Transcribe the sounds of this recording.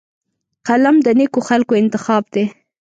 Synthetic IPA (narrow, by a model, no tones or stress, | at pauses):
qalamd̪ənekoxalkoɪnt̪ɪxɑb̚d̪e